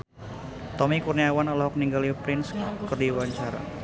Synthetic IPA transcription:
t̪ɔmikurniawanɔlɔhɔk̚niŋɡalipɾɪnskərdiwaɲt͡ʃaɾa̰

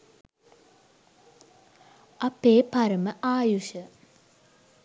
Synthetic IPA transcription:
apeːpaɾəməʔaːjuʃə

